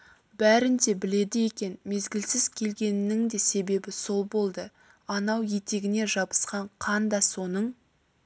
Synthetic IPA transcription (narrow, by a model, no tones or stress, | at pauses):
bæɾɪnd̪e̞bɪle̞d̪ɪje̞kʲe̞nme̞zɡʲɪlsɪzkʲʰe̞lɡʲe̞nɪnɪŋd̪e̞se̞be̞bɪso̞lˠbo̞lˠd̪ə | ɑnɑwje̞t̪e̞ɡʲɪne̞ʒɑbə̥sqɑɴqʰɑnd̪ɑso̞nəɴ